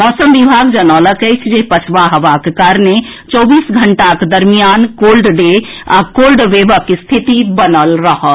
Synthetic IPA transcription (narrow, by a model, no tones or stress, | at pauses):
ɔːsəmʋibʱaːɡd͡ʒənɔləkət͡ʃʰd͡ʒepət͡ʃʰʋaɦəʋakekaːɾne | t͡ʃɔːbiːsɡʱəɳʈakd̪əɾmijaːnkoːlɖɖe | a̰koːlɖʋeʋəkist̪ʰit̪ibənəlɾəɦə